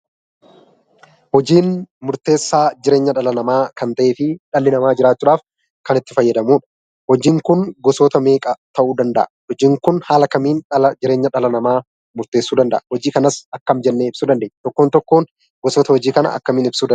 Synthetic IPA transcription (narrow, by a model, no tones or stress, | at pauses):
hɔd͡ʒiːnmʊɾt̪e̞ːsːaːd͡ʒɪɾe̞ːɲːɐᶑɐlɐnɐmaːkɐnt̪ɐʔe̞ːfɪᶑɐlːɪnɐmaːd͡ʒɪɾaːt͡ʃːuːᶑaːf | kɐnɪt̪ːɪfɐjːɐd̪ɐmuːᶑɐ̥ | hɔd͡ʒiːŋkʊnɡɔsoːt̪ɐme̞ːkʼɐt̪ɐʔuːd̪ɐnd̪ɐ̰ʔɐhɔd͡ʒiːŋkʊnhaːlɐkɐmiːnɐd͡ʒɪɾe̞ːɲːɐᶑɐlɐnɐmaː | mʊɾt̪eːsːuːd̪ɐnd̪ɐ̰ʔɐhɔd͡ʒiːkɐnɐsɐkːɐmd͡ʒɛnːeːɪb̥suːd̪ɐnd̪eːɲːt̪ɔkːoːnt̪ɔkːoːn | ɡɔsoːt̪ɐhɔd͡ʒiːkɐnɐ̰ɐ̰kːɐmiːnɪbsuːd̪